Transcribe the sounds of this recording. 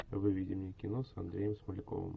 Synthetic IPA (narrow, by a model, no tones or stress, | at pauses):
ʋɪʋʲidʲɪmnʲikʲɪnɔsɐnd̪ɾʲɛjɛmsmɐlʲɪkɔ̰ʋɨ̰m